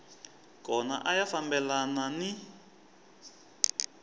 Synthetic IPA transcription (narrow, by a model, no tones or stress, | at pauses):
kɔna̰ʔajafambɛlanani